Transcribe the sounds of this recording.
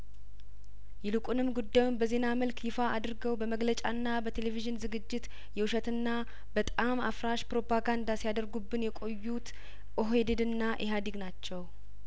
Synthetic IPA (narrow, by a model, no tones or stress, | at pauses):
jɛlɨkʼunɨmɡud̪ːajunbəze̞naməlkʰjɪfaʔad̪ɨɾɡəwbəməɡlət͡ʃʼa̰nːabət̪ʰe̞le̞viʒɨnzɨɡɨd͡ʒːɪt̪ | jɛwuʃɛt̪ɨnːa | bət̪ʼamafɾaʃpɾo̞pʰaɡand̪asijad̪əɾɡubːɨnjɛkʼo̞jːut̪ | ʔoɦed̪ed̪ɨnːaʔeɦad̪iɡnat͡ʃːɛw